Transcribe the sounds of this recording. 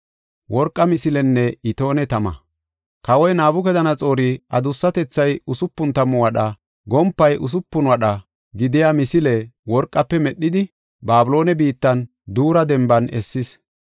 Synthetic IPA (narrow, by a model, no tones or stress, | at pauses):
wɔɾkʼːɐmɪsɪlɛnːɛɪt̪o̞ːnɛt̪ɐmɐ̰ | kɐwɔjnaːbʊk̬ɛd̪ɐnɐt͡sʼo̞ːɾɪɐd̪ʊsːɐt̪ɛt͡sːɐjʊsʊpːʊnt̪ɐmʊwɐɗɐ | ɡɔmpːɐjʔʊs̬ʊpːʊnwɐɗɐ | ɡɪd̪ɪjamɪsɪlɛwɔɾkʼːɐpːɛmɛɗːɪd̪ɪ | baːbɪlo̞ːnɛbiːt̪ːɐn | d̪uːɾɐd̪ɛmbɐnɛsːɪs